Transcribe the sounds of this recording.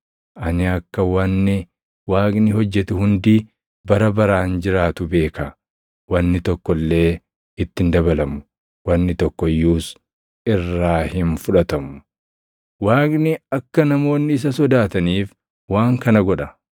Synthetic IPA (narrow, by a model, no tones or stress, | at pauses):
ʔɐnɪɐkːɐwɐnːɪ | waːkʼnɪɦɔd͡ʒːɛt̪ʊhʊnd̪i | bɐɾɐbɐɾaːnd͡ʒɪɾaːt̪ʊbe̞ːkɐ | wɐnːɪt̪ɔkːɔlːe̞ː | ɪt̪ːɪnd̪ɐbɐlɐmʊ̥ | wɐnːɪt̪ɔkːɔjːuːs | ɪrːaːhɪnfʊᶑɐt̪ɐmʊ̥ | waːkʼnɪɐkːɐnɐmo̞ːnːɪːs̬ɐsɔd̪aːt̪ɐniːf | waːŋkɐnɐɡɔᶑɐ